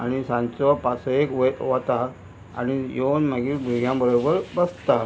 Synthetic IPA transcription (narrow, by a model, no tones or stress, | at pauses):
a̰ɽ̃isãnt͡sɔpasekʋʋat̪a | a̰ñijonmaɡiːbʱiɡʱjãbəɾobəɾbəst̪a